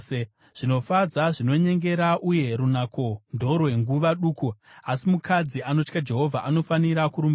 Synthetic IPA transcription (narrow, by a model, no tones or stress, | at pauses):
e | ʐ̥ino̞fad͡zaʐino̞ɲe̞ŋɡe̞ɾaʔuje̞ɾunako̞ndʱo̞rwe̞ŋɡuʋaɗuːkuasimukʰad͡ziano̞t͡ʃkad͡ʒe̞ɦo̞vʱaʔano̞faniɾakuɾumb